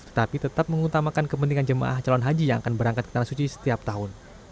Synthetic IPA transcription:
t̪ə̥t̪apit̪ət̪ap̚məŋut̪amakankəp̬ənt̪iŋand͡ʒəma̰ʔaht͡ʃalɔnɦad͡ʒijaŋakanbəɾaŋkat̪̚kə̥t̪anahsut͡ʃisə̥t̪iap̚t̪aɦʊn

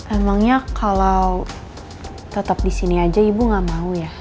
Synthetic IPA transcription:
memaŋɲakʰalaw | t̪ət̪ap̚disiniad͡ʒaibuŋamauja

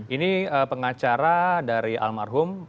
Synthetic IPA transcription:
iniəpəŋat͡ʃaɾadaɾiʔa̰lmarɦʊm

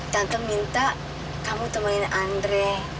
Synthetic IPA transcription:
d̥ant̪ʊŋmint̪aʔ | kambut̪əməlɪnandɾɛ

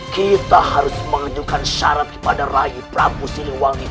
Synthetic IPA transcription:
kit̪ahaɾʊsməŋad͡ʒukanʃa̰ɾat̪̚kə̥padarajupɾabusiniŋwani

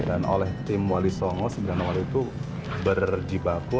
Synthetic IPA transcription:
dano̰lɛht̪ɪmwalisɔŋɔsəɡəɾanawaliːt̪u | bərd͡ʒibaku

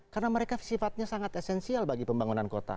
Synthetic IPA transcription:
karənaməɾekasifat̪̚ɲasaŋat̪esɛnsialbaɡipəmbaŋunankot̪a̰

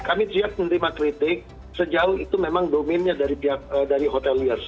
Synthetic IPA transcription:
kamit̪ɾiak̚mənt̪ɾimakɾit̪ɪk̚ | səd͡ʒaʊhit̪umemaŋdomɪnɲadaɾipiak̚ədaɾiɦot̪ɛliər

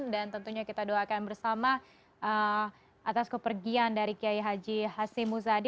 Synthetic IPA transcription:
dant̪ənt̪uɲakit̪adoakanbərsama | ʔə | ʔat̪askəpərɡiandaɾikiajɦad͡ʒiɦasɪmus̬adi

